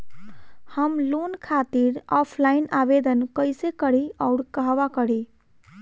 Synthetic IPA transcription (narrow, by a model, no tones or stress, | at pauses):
həmlonkʰat̪iɾɔpʰlainabed̪ənkəjsekəɽ̤iaʊɽkəɦbakəɽi